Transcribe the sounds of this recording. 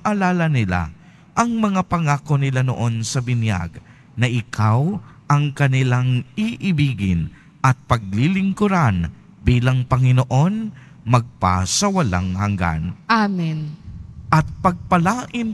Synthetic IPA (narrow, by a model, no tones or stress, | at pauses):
ʔɐlaːlɐnɪla̰ | ʔɐŋmɐŋapɐŋaːkonɪlano̰ʔo̞nsɐbɪnja̰ɡ | nɐʔɪkʰawʔɐŋkɐnɪlaŋiʔɪbiːɡɪ̰n | ʔɐt̪̚pɐɡ̚lilɪŋkʊɾan | biːlɐŋpɐŋɪnoʔo̞n | mɐɡ̚pa̰sɐwɐla̰ŋhɐŋɡa̰nʔaminʔɐt̪̚pɐɡ̚pɐlaːʔɪn